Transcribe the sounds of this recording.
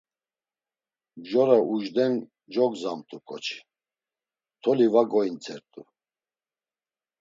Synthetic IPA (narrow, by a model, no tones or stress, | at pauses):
bʒɔɾauʒd̪ɛn | d͡ʒɔɡzamt̪ʰukʰʼɔt͡ʃʰi̥ | t̪ʰɔlivaɡɔint͡sʰʼɛɾt̪ʼu